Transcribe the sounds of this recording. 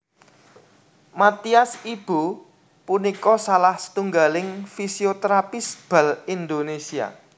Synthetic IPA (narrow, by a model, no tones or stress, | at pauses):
mat̪iasib̥o | punikɔsalahsə̥t̪uŋɡalɪŋfisiot̪ɾapisb̥a̤lind̪onesia̰